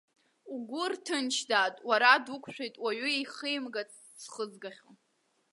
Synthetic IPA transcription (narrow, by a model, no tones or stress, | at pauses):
uɡʷʊrtʰɨnt͡ʃʰdaːtʼwaɾadukʷʰʼʃᶣejtʼwaɥʏeχəjmɡat͡sʰʼ | sχəzɡaχʲo